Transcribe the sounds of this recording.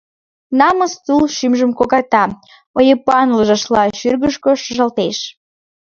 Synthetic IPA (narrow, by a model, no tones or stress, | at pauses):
nɑməst̪ulʃymʒəmkokɑrt̪ɑ | ojəpɑnləʒɑʃlɑʃyrɣəʃkoʃəʒɑlt̪eʃ